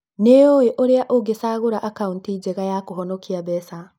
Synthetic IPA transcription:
neoeʔoɾeaʔoɡesaɣoɾaʔakauntid͡ʑeɣajakoɦɔnɔkiabɛsa

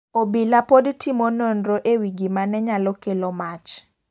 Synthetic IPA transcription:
obilapodtʰimononɾoʔewiɡimanɛɲalɔkelomat͡ʃ

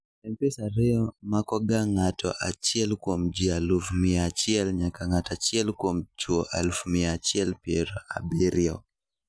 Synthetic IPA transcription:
ɛmpɛsaɾɛɔmakɔɡaŋatʰɔ̰ʔat͡ʃjɛlkwomd͡ʒialufumiat͡ʃiɛlɲakaŋatat͡ʃɛlkomt͡ʃuɔʔalfumiat͡ʃiɛlpiɛɾɔa̰bɛɾiɔk

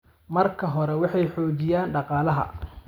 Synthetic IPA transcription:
mɐrkʰɐɦɔɾɛwɑħɑjħɔːt͡ʃɪjaːnɖɑqɑːlɐɦɐ̰

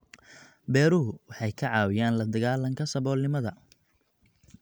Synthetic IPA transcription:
bɛːɾʊɦʊwɑħɑjkʰɐʕɑːwɪjaːnlɐd̪ɐɣaːlɐŋkʰɐsɐβɔːlnɪmɐðɐ

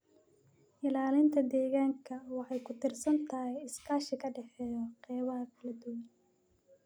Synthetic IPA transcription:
ʔɪlaːlɪnt̪ʰɐd̪ɛːɣaːŋkʰɐwɑħɑjkʰʊt̪ʰɪrsɐnt̪ʰɐɦɛjɪskʰaːʃɪkʰɐɖɛħɛːjɔqɛːβɐɦɐkʰɐlɐd̪ʊwɐn

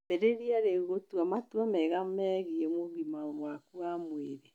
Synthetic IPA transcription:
peɾeɾiaɾeɣotwamatwamɛɣamɛɣiemoɣimamwakuamweɾe

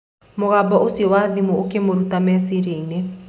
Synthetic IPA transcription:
moɣabɔʔosiwadimookemoɾut̪amɛsiɾene

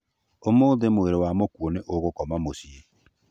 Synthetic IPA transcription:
omoːðemoeɾewamokwoneʔoɣokɔmamosie

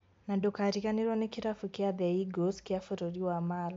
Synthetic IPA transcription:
nadɔkaɾikaniɾɔnikiɾafukiaðɛiɡɔskiafuɾɔɾiwamala

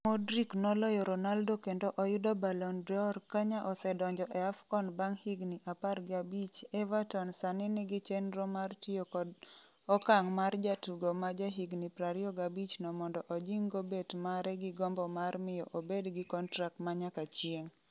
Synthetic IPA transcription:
modɾiknɔlɔjɔɾɔnaldokendoʔɔjʊdɔbalɔndɔrkaɲaʔɔsɛdɔɲd͡ʒɔʔɛafkɔnbaŋhiɡniʔaparɡɪabit͡ʃɛvatɔnsanɪnɪɡɪt͡ʃɛnɾɔmartiokɔ | ɔkaŋmard͡ʒatuɡomad͡ʒaɦiɡnipɾaɾiɔɡabit͡ʃnɔmɔndɔʔod͡ʒiŋɡobetmaɾɛɡɪɡɔmbɔmarmɪjɔʔobedɡɪkɔntɾak̚tmaɲakat͡ʃjieŋ

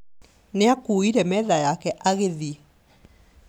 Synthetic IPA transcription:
neakuiɾɛmɛːðajakɛʔaɣeði

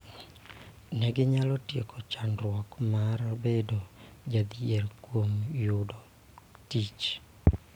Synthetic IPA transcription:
nɛɡɪɲalɔtjekʰɔt͡ʃanɾwɔkmaɾabedod͡ʒad̪ierkwomjʊdɔ | tit͡ʃ

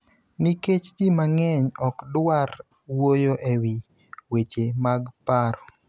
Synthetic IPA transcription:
niket͡ʃdɪmaŋɛɲɔkdwar | wojoʔewi | wet͡ʃemaɡpaɾɔ

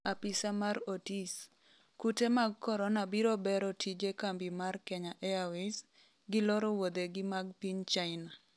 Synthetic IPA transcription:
apisamaɾotis | kutemaɡkɔɾɔnabiɾobɛɾɔtʰid͡ʒekambimarkɛɲaʔɛawɪs | ɡɪlɔɾɔwod̪eɡɪmaɡpiɲt͡ʃaɪna

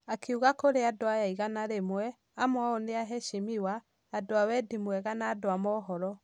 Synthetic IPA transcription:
akʰeuɣakoɾeadoajaiɣanaɾemwɛ | amoaoneaɦɛʃemiwaː | doawɛdimwɛɣanaːdoamɔɦɔɾɔ

